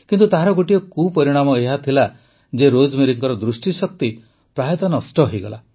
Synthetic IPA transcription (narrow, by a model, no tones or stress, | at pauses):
kint̪ut̪aɦaɾɔɡoʈiɔkupɔɾiɽ̃amɔeɦat̪ʰila | d͡ʒeɾod͡ʒmiɾiŋkɔɾɔd̪ɾusʈisɔk̚t̪i | pɾaɦjɔt̪ɔnɔsʈɔɦojɡɔla